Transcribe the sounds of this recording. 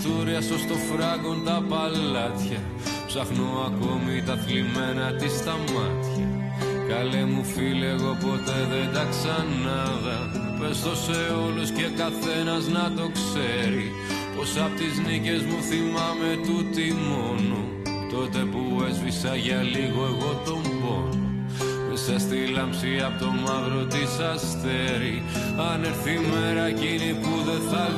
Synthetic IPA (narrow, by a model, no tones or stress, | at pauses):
t̪uɾiɐsost̪o̞fɾɐɣond̪ɐpɐlɐt̪çɐ | psɐxnoɐko̞mit̪ɐθlime̞nɐt̪ist̪ɐmɐt̪çɐ | kɐlemufileɣo̞po̞t̪e̞ðend̪ɐksɐn | ɐðɐ | pest̪o̞se̞o̞lusce̞kɐθe̞nɐznɐt̪o̞kse̞ɾi | po̞sɐpot̪iznice̞zmuθimɐme̞t̪ut̪imonu | t̪o̞t̪e̞pue̞zvisɐʝɐliɣo̞eɣo̞t̪o̞mbo̞no | esɐst̪ilɐmpsiɐpot̪o̞mɐvɾo̞t̪isɐst̪e̞ɾi | ɐneɾθime̞ɾɐcinipuðe̞θɐ